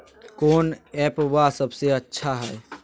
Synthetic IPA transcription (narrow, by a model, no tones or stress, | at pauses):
koːnɛpʋasəbʱseətːʃʰaɦɛj